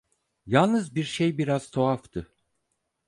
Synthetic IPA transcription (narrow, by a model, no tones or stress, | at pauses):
jalˠnɯzbiɾʃejbiɾaz̥t̪ʰoaft̪ʰɯ